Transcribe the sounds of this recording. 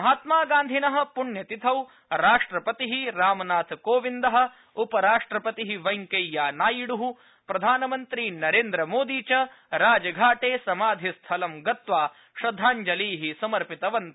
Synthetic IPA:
mɐɦaːt̪maːɡaːnd̪ʱinɐɦɐ̆puɳjɐt̪it̪ʰɐw | ɾaːʂʈɾɐpɐt̪iɦiɾaːmɐnaːt̪ʰkoːʋind̪ɐɦɐ̆ | upɐɾaːʂʈɾɐpɐt̪iɦiʋɐjŋkejːaːnaːjiɽuɦu | pɾɐd̪ʱaːnɐmɐnt̪ɾinɐɾeːnd̪ɾɐmoːd̪iːt͡ʃɐ | ɾaːd͡ʒɐɡʱaːʈeːsɐmaːd̪ʱist̪ʰɐlɐmɡɐt̪ʋaː | ʃɾɐd̪ʱːaːɲd͡ʒɐliːɦisɐmɐɾpit̪ɐʋɐnt̪ɐ

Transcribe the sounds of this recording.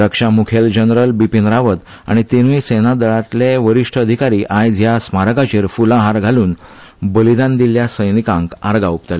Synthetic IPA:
ɾəkʂamukʰeld͡ʑənɾəlbipinɾaʋət̪ | a̰ɽ̃it̪inʋisenad̪əɭat̪leʋəɾiʂʈʰəəd̪ʱikaɾiːʔajd͡zjasmaɾəkat͡ɕeɾfulãɦaɾɡʱaluːn | bəlid̪ãnd̪iljasəjnikãŋkaɾɡaup̚t̪əl

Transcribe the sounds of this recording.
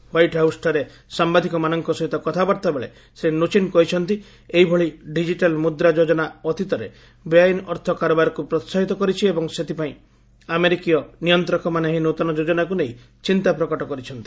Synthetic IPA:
wajʈɦawsʈaɾe | sambad̪ʱikɔmanɔŋkɔsɔɦit̪ɔkɔt̪ʰabaɾt̪abeɭḛ | senot͡ʃinkɔɦit͡ʃʰɔnt̪i | eɦibʱɔɭiɖid͡ʒiʈalmud̪ɾad͡ʒod͡ʒɔnaɔt̪ʰit̪ɔɾe | bjajnɔɾt̪ʰɔkaɾɔbaɾɔkupɾɔt̪saɦit̪ɔkɔɾit͡ʃʰiebɔŋset̪ʰipaĩ | ameɾikijɔnijɔnt̪ɾɔkɔmaneɦinot̪ɔnɔd͡ʒod͡ʒɔnakuneɦi | t͡ʃint̪apɾɔkɔʈɔkɔɾit͡ʃʰɔnt̪i̥

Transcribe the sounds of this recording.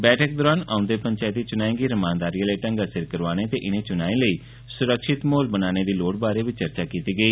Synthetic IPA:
bɛːʈʰək̚d̪ɔːɾaːna̰ːʊ̃nd̪eːpəɲt͡ʃaːɪt̪ːiːt͡ʃʊnaːĩːŋɡiːɾəmãːnd̪aːɾijaːləiːʈə̃ŋɡasɪɾkəɾʋaːñeːt̪eːʔɪnẽːt͡ʃʊnaːĩːləiː | sʊɾəkʃɪt̪moːlbənaːneːd̪iːloːɽbaːɾeːʋit͡ʃəɾt͡ʃaːkiːt̪iːɡəiː

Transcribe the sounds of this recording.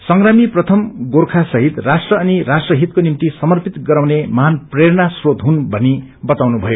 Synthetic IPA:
sʌŋɡramiprʌt̪ʰʌmɡorkʰasʌɦit̪rasʈrʌːniɾasʈrʌɦit̪konimt̪isʌmʌrpit̪ɡʌɾawnemʌɦanpreɾnasrod̪ɦunbʱʌni | bʌt̪awnubʱʌjo

